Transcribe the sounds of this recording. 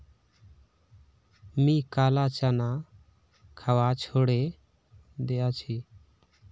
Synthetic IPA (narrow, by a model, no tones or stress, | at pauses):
mĩːkaːlaːt͡ʃaːnaː | kʰəʋaːt͡ʃʰoːɽeː | d̪ejaːt͡ʃʰiː